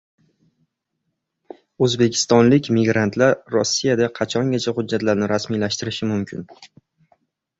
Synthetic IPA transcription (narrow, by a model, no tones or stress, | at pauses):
ɵzbe̞kʲʰɪ̥st̪ɒnlɪkʲmɪɡɾant̪ʰlaɾːɒsːijad̪aqʰɑt͡ʃʰɒŋɡʲat͡ʃʰahʊd͡ʒːat̪laɾnɪɾasmilaʃt̪ɪɾɪʃɪmʊmkʲʰɪ̰n